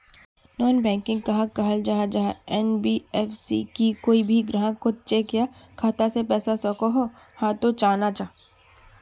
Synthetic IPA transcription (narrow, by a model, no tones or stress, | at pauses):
nɔːnbɛ̃ːŋkɪ̃ŋɡ̚kɐɦãkɐɦəld͡ʒaːɦad͡ʒaɦaɛnbiɛːfsḭkikoːibʱiɡɾəɦãkʊt̪̚t͡ʃekjakʰaːt̪asepɛːsasɔkoɦo | hãːt̪ot͡ʃaːnat͡ʃaː